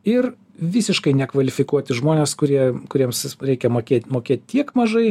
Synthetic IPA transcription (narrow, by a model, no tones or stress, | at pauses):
ɪɾ | ʋʲiːsʲɪʃkɐɪnʲɛkʋɐlʲɪfʲɪkuɔt̪ʲɪʒmoːnʲeːskʊɾʲiɛkʊɾʲiɛmsɾʲɛɪkʲɛmoːkʲeːt̪ʲmoːkʲeːt̪ʲt̪ʲiɛkmɐʒɐɪ